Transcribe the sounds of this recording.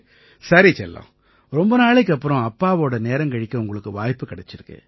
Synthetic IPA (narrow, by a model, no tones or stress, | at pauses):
sɐɾit͡ʃɛlːõ̰ | ɾɔmbɐnaːɭɛk̬ːɐpːɯɾɔ̃ɐpːaːʋoːɽɐneːɾɐŋkɐɻɪkːɐʊŋɡɐɭɯkːɯʋaːjpːɯkɐɽɛt͡ʃːɪɾɯkːɯ̰